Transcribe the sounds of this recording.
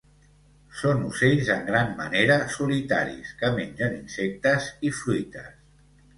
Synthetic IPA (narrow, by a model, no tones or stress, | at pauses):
sonuseʎzəŋɡɾammə̰neɾəsulit̪a̰ɾḭskəmeɲʲʒəninsek̚t̪əzifɾujt̪əs